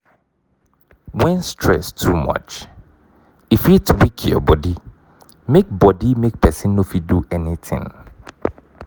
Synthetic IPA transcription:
wɛ̃nstʰɹɛ̰stʰumʌ̰t͡ʃ | ifjutʰwikʰɔ̰bɔdi | mek̚bɔdimek̚pʰɛsɪ̃nːõfiduʔɛnitʰɪ̰̃ŋ

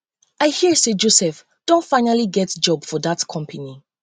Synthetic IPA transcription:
aɪhiɹsed͡ʒosɛf | d̥õntfãɪnaliɡɛtd͡ʒɔbfɔðatkʰɔ̃mpʰəni

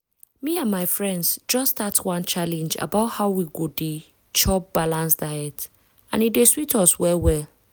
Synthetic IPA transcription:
miãnmaɪfɹɛ̃ndsd͡ʒɔstatwãnt͡ʃalɛ̃nd͡ʒa̰baʊthaʊwiɡode | t͡ʃɔp̚b̥alãnsdajɛk̚t | ã̰nideswitɔswɛlwɛl

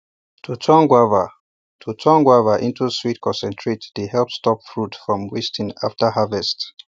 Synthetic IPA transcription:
tʰutʰɔ̃nɡwavə | tʰutʰɔ̃ŋɡwavəʔĩntuswitkʰɔ̃nsɛ̃ntʰɹetdehɛlpstɔpfɹutfɹɔ̃mwɛstʰə̃naftəhavɛst

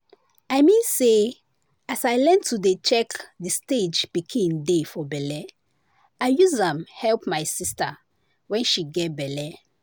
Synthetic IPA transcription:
aɪmĩnse | asajlɛ̃ntʰudet͡ʃɛkdisted͡ʒpikʰĩndefɔbɛlɛ | aɪjuzãmhɛlpmaɪsista | wɛ̃nʃiɡɛt̚bɛlɛ

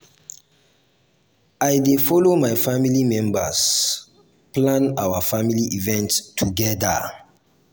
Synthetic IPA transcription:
aɪdefɔlomaɪfamilimɛ̃mbas | plãnawafamiliʔivɛ̃nttʰːuɡɛda̰

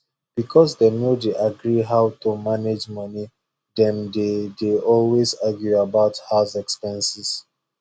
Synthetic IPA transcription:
b̥ikʰɔsdenodeʔaɡɹiɦaʊtumaned͡ʒmʌni | dɛ̃ndedeʔɔlwezaɡjuabaʊthazɛkspɛ̃nsis

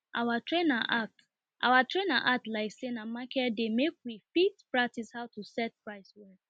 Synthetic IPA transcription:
ʔawatɹenaʔat | ʔa̰watʰɹena̰ʔatlaɪksenamakɛdemek̚wifitpɹak̚tishaʊtusɛt̚pɹaɪswɛ

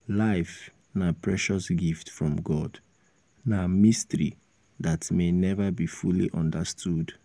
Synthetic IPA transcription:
laɪf | napʰɹɛʃɔsɡiftfɹɔ̃mɡɔd̥ | namistəɹḭ | ðatmenɛvəbifuliʔɔ̃ndəstʰud

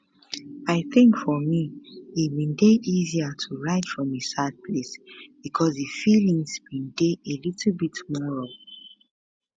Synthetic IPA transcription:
aɪθɪ̃ŋkfɔmiːt̚mĩndeʔiziatʰuɹaɪtfɹɔ̃misad̚pʰlesb̥ikʰɔzðɨfilĩŋzbĩndeʔelitʰl̩bitmɔɹɔl

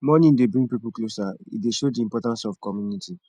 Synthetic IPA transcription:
mɔnĩdebɹĩŋɡpipul̩klosaḭdeʃodiĩmpɔtãnsɔfkɔmjuniti

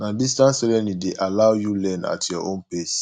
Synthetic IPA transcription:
nãdistãnsɛlɛ̃nlideʔalawjulɛ̃na̰tʰjɔʔõnples

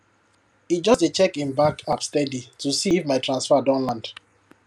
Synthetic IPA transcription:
id͡ʒɔstet͡ʃɛkĩnbakʰapstɛditusiːfmaɪtʰɹãnsfadɔ̃nlãnd̥

